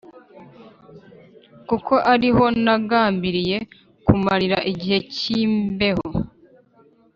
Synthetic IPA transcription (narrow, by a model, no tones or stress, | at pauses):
kukʰo̞ʔaɾiɦo̞naɡaːmbiɾije̞ | kumaɾiɾaʔiɟihe̞ciːmbe̞ho̞